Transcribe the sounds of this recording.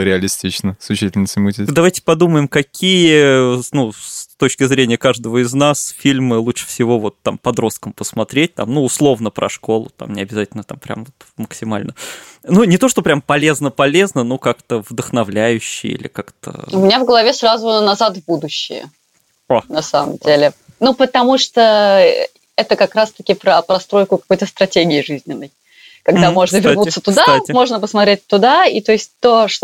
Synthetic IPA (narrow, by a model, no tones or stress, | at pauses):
ɾʲɪɐlʲɪsʲtʲit͡ɕnəsʲʊɕitʲɪlʲnəsʲɪmutʲid̪ɐvajtʲɪ̥pɐd̪uməjɪmkɐkʲʰijənusst̪ot͡ɕkʲɪzɾʲenʲɪjəkaʐd̪əvəɪznasfʲilʲmɨlˠuʂɨ̥fsʲɪvo̞vo̞t̪ːampɐd̪ɾo̞st̪̚kəmpəsmɐt̪ɾʲet̚ʲt̪a̰mnuːslˠo̞vnəpɾɐ̰ʂko̞lˠʊ̰t̪a̰mnʲɪɐbʲɪzatʲɪlʲnət̪a̰mpɾʲa̰mvot̪məksʲɪmalʲnənunʲɪt̪o̞ʂt̪o̞pɾʲampɐlʲe̞znəpɐlʲe̞znənokakt̪əvd̪əxnɐvlʲæjʉɕːɪ̰jḭlʲɪ̰kakt̪ə̰ʊmʲɪnʲavɡəlˠɐvʲesɾazʊnɐzat̪vbud̪ʊɕːɪ̰jə̰ | nɐsa̰mə̰mdʲelʲɪ | nupət̪ɐmuʂt̪o | ɛt̪əkɐkɾast̪ɐkʲɪpɾəpɾɐst̪ɾo̞jkʊkɐ̥ko̞jt̪əst̪ɾɐtʲeɡʲɪːʐɨzʲnʲɪnːəj | kɐɡd̪amo̞ʐnəvʲɪrut̪sːət̪ʊd̪atʲmo̞ʐnəp̬əsmɐt̪ɾʲet̚ʲt̪ːʊd̪ait̪oɪsʲt̚ʲt̪oʂ